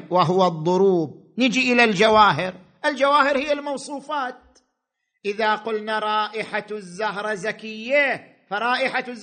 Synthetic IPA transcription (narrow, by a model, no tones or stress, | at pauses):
waɦʊwaðˤːʊɾuːb̚ | nɪd͡ʒiʔɪlald͡ʒawaːɦɪɾ | ʔɪld͡ʒawaːhɪɾhijːalmɑwsˤuːfɑːt̪̚ | ʔɪðaqʊlnaɾˤɑːʔɪħazːahɾˤɑzakɪjːa | faɾˤɑːʔɪħazː